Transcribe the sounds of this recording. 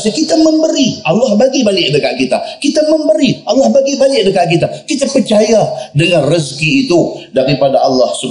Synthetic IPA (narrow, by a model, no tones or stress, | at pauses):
sikit̪aməmbəɾiʔalːahbaɡibalɪʔ̚dəkaʔkit̪a̰kit̪aməmbəɾiʔalːɑhbaɡibalɪk̚dəkaʔkit̪akit̪apərt͡ʃajadəŋanriskiːt̪udaɾipadaʔalːɑhsub